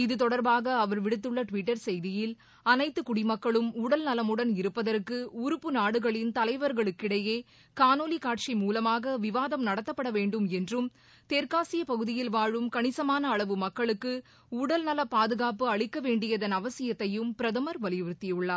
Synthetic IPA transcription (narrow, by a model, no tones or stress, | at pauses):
ɪðɯt̪ɔɽɐɾbaːɣɐːʋɐɾʋɪɽɯt̪̬ːɯɭːɐʈʋɪʈːɐɾsɛjðɪjɪl | ɐnɐɪt̪ːɯkʊɽimɐkːɐɭɯmuːɽɐlnɐlɐmɯɽɐnɪɾɯpːɐðɐrkːɯʊɾɯpːɯnaːɽɯɣɐɭɪnt̪ɐlɐɪʋɐɾɣɐɭɯkːɪɽɐjeː | kaːnoːlikaːʈ̚t͡ʃimuːlɐmaːɣɐʋɪʋaːðɐmnɐɽɐt̪ːɐpːɐɽɐʋeːɳɖɯmɛndrɯm | t̪eːɾkaːsɪjɐpɐɣɯðɪjɪlʋaːɻɯmkɐɳɪsɐmaːnɐːɭɐʋɯmɐkːɐɭɯkːɯ | uːɽɐlnɐlɐpaːðɯɣaːpɯɐɭɪkːɐʋeːɳɖɪjɐðɐnɐʋɐsɪjɐt̪ːɐjɯmpɪɾɐðɐmɐɾʋɐlɪjɯɾɯt̪ːɪjɯɭːaːɾ